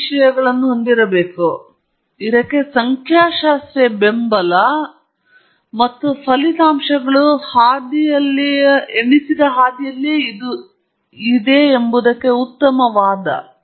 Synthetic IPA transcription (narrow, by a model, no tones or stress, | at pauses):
ʂɐjɐɡɐɭɐnːuɦond̪iɾɐbeːku | iɾɐkːesɐŋkʰjaːʃaːst̪ɾebembɐlɐ | mɐt̪ːupʰɐlit̪aːmʂɐɡɐɭuhaːd̪ijɐlːɐeɳisid̪ɐɦaːd̪ijɐlːiid̪u | id̪e̞ːmbud̪ɐkːe̞ut̪ːɐmɐʋaːd̪ɐ̰